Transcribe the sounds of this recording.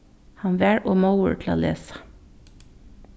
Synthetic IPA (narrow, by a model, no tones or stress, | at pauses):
hɑnʋæːɹʔoːmɑʊə̰ɹʈʰl̩o̰ːlḛːsɑ̥